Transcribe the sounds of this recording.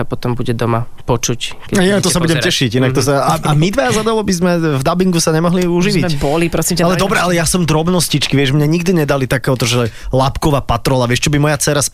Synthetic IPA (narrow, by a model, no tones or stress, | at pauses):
apɔt̪ɔmbuɟɛd̪ɔma | pɔt͡ʃuckɛainakt̪ɔs̬abuɟɛmɛʃiɟinakt̪ɔsaaʔamid̪ʋajazad̪alɔbizmɛvd̪abiŋɡusaɲɛmɔɦliuʒiʋiɛcbɔlipɾɔsimaalɛd̪ɔbɾɛalɛjasɔmd̪ɾɔbnɔscit͡ʃkiʋɪɛʒmɲaɲiɡd̪iɲɛd̪alit̪akɛːɦɔt̪ɔʒɛlapkɔʋaːpat̪ɾɔlaʋɪɛʃt͡ʃɔbimɔjat͡sɛɾas